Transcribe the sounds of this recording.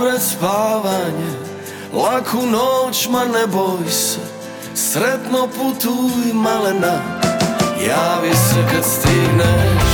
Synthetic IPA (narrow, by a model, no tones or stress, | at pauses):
pɾɛspaːvaɲɛ | lakʰunɔt͡ʃmanɛbɔjsɛ | sɾɛd̪nɔput̪ujmalɛna | jaːvisɛkɛst̪inɛ